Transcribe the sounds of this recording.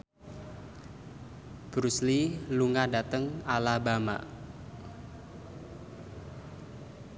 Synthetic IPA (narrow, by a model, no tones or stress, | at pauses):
b̥ɾusliluŋadat̪əŋalabama̰